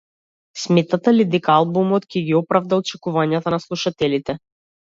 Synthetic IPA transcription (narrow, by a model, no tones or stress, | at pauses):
smɛt̪at̪alid̪ikalˠbumɔt̪kɛɡʲiɔpɾavd̪alɔt͡ʃɛkuvaɲat̪anaslˠuʃat̪ɛlit̪ɛ